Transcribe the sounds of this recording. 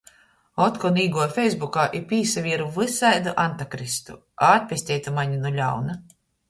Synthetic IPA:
ɔt̪kɔniːɡuɔfʲɛjzbukaːʔipʲiːsavʲiɛɾuvɨsajd̪uʔant̪akɾist̪u | aːt̪̚ʲpʲɛsʲt̪ʲɛːjt̪umaɲinulʲa̰wna

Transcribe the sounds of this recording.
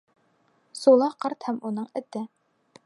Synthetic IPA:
solˠɑhqʰɑɾt̪hɛmunɨŋɛt̪ːɪ

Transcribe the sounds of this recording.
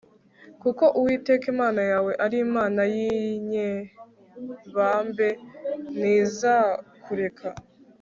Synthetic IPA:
kuko̞ʔuwiːte̞kimaːnajaːwe̞ʔaɾimaːnajiɲe | βaːmbe̞niːzakʰuɾe̞kʰa

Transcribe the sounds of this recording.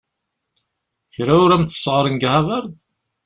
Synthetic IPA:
çɾaʊɾæmθə̥sːʁəɾˤənɡhævəɾð

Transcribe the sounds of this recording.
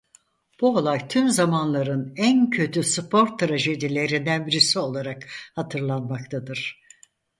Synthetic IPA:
b̥uo̞lˠajt̪ʰymzamanlˠaɾɯnæncʰø̞t̪ʰyspʰo̞ɾt̪ʰːɾaʒe̞d̪ilʲe̞ɾind̪ænbiɾisio̞lˠaɾakhat̪ʰɯɾlˠanmakt̪ʰad̪ɯɾ̥

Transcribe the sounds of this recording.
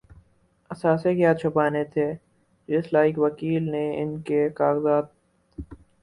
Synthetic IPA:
ɐsaːsekjaːt͡ʃʰʊpaːnet̪ʰeː | d͡ʒeːslaːɪkʋɐkiːlneɪ̰nkekaːɣzaːd̪̚

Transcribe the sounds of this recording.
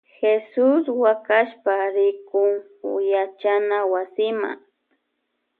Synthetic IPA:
xesʊswakaʃpaɾɪkʊŋ | jat͡ʃanawasɪma̰ŋ

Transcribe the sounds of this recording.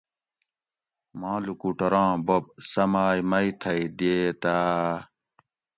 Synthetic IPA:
mãːlukuʈɐɾãːbob̚sɐmaːjmɐit̪ʰɐid̪ieːt̪aː

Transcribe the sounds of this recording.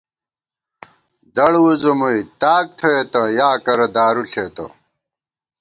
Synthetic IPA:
d̪ɐɽwuzomuit̪aːk̚t̪ʰoet̪ɐjaːkɐɾɐd̪aːɾuɬeːt̪ɐ̰

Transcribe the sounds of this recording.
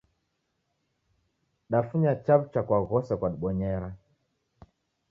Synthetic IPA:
ɗafuɲat͡ʃabt͡ʃakwaɣɔsɛkwaɗɓɔɲɛɾa

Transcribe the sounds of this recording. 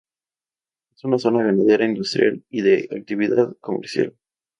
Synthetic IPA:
e̞sunaso̞naβenað̞e̞ɾaind̪ust̪ɾja̰liðeʔak̚t̪iβiðaðko̞mḛɾsja̰l

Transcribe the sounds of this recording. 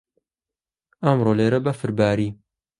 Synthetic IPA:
ɐmroːleːɾɐbɐfɨɾbaːɾiː

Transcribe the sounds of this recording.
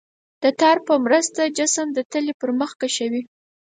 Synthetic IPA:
d̪̥ət̪ɑɾpəmɾast̪ad͡ʒasəmd̪ət̪əlepəɾməxkaʃawi

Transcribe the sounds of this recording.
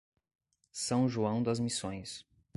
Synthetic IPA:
sɐ̃w̃ʒuɐ̃w̃d̪ɐzmisõj̃s

